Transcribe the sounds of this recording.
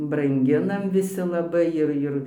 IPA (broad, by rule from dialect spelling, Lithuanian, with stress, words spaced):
brɐŋʲˈɡʲɪnɐm ʋʲɪˈsʲɪ lˠɐˈbɐɪ ɪr ˈɪr